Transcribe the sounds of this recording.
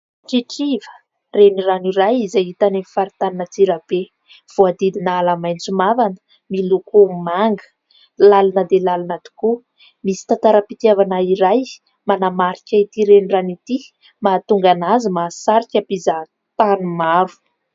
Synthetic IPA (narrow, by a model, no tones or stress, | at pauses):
ʈ͡ʂiʈ͡ʂivə̥ | reniraniɾajizait̪anemifaɾit̪aninət͡siɾab̥e | v̥oad̪id̪inaːlamajnt͡sumavanə̥ | milukumaŋɡə̥ | lalanəd̪elalanat̪u̥ku | misi̥t̪ant̪aɾapit̪iavanaiɾaj | manamaɾikʲait̪iɾeniranit̪i | mat̪uŋɡanazəmasaɾikʲapiza | t̪anumavu̥